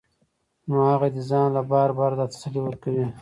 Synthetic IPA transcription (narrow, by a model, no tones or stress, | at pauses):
nohaɣad̪əzɑ̃ːnlabɑːɾbɑɾd̪at̪ḁsaliwəɾkawi